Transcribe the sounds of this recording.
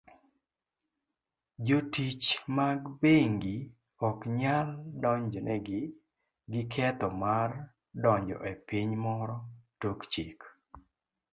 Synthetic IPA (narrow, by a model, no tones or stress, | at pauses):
d͡ʒotit͡ʃmaɡbeŋɡi | ɔkɲaldɔɲd͡ʒɔnʔɛɡɪ | ɡɪkʰɛt̪ɔmar | dɔɲd͡ʒɔ̰ʔepiɲmɔɾɔtokt͡ʃik